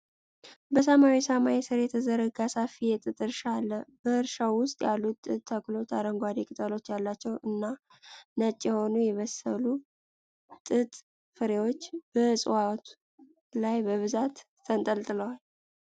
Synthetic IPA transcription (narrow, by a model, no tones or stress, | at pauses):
bəsəmawisəmaisɨɾjɛt̪ʰəzəɾəɡasafijɛt̪ʼɨt̪ʼɨɾʃalːəb̥əɨɾʃawːʊst̪ʼjalːuɨt̪ʰːəklo̞t͡ʃaɾəŋɡʷad̪ikʼɨt̪ʼəlo̞t͡ʃːjalːat͡ʃːɛwʔɨnːa | nət͡ʃʼːjɛho̞nujɛβəsəlu | t̪ʼɨt̪ʼ | fɨɾe̞wo̞t͡ʃːb̥əsʼɨwat̪ʰ | lajbəβɨzat̪ | t̪ʰənt̪ʼəlt̪ʼɨləwal